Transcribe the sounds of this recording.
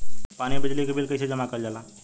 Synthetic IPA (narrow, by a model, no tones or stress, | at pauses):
paːnibɪd͡ʒlikebilkɐjsed͡ʒəmakəld͡ʒaːlaː